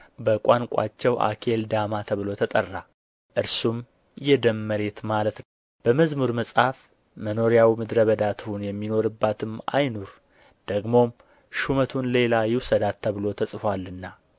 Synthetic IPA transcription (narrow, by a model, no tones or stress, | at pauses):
bəkʼaŋkʷʼa̰t͡ʃːɛwʔa̰kʰe̞ld̪amat̪ʰəβɨlo̞t̪ʰət̪ʼərːa | ʔɨɾsum | jɛd̪əmːəɾe̞t̪malət̪ | b̥əməzmuɾməsʼhaf | məno̞ɾijawmɨd̪ɾəβəd̪at̪ʰunjɛmːino̞ɾɨbːat̪ʰɨma̰jnuɾ | d̪̥əɡmo̞m | ʃumət̪ʰunle̞lajɪwsəd̪at̪ʰːəβɨlo̞t̪ʰəsʼfalːɨnːa